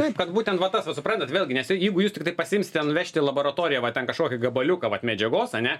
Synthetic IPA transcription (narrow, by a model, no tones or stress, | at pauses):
t̪ɐɪpkɐt̪buːt̪ʲɛnʋɐt̪ɐsʋɐtsʊpɾɐnt̪ɐt̪ʋʲeːlʲɡʲɪnʲɛsʲɪjɛɪɡʊjuːstʲɪkt̪ɐɪpɐsʲɪɪmsʲɪt̪ʲɛnʊʋʲæːʃʲt̪ʲɪlˠɐboːɾɐt̪oːɾʲɪjɛʋɐtʲɛnkɐʃkoːkʲɪɡɐbɐlʲʊkɐʋɐt̪mʲɛd͡ʒʲɛɡoːsɐnʲɛ